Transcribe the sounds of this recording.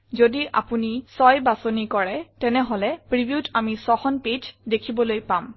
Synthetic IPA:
zodiʔa̰punisɔjbasonikɔɹɛtɛnɛɦolɛpɹibiutamisɔxɔnpid͡ʒdekʰibɔlojpam

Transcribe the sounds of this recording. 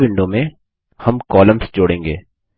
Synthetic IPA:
ʋɪ̃ɳɖõmẽ | hɐmkɔːlə̃msd͡ʒoːɽẽːŋɡeː

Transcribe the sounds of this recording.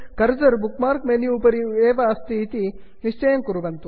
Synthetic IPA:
kɐɾd͡ʒɐɾbukmaːɾkmeniuːpɐɾieːʋɐːst̪ʰiːt̪i | niʂt͡ʃɐjɐmkuɾuʋɐnt̪u

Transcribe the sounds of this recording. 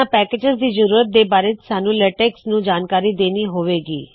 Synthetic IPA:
ãpɛːkeːd͡ʒəzd̪iːzəɾuːɾət̪̚d̪eːbaːɾeːt͡ʃsaːnũːlɛʈɛːksnũːd͡ʒaːnkaːɾiːd̪eːniːɦoːʋeːɡiː

